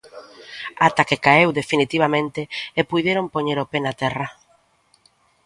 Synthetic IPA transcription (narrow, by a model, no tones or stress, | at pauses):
at̪akekaewðefinit̪iβ̞amẽnt̪eːpujðjeɾompoɲeɾopenat̪ɛra